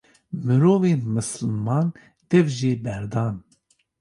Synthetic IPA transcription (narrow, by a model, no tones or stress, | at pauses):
mɨɾoːveːmɨsɨlmɑːn | d̪̥ɛvʒeːbɛɾd̪ɑːn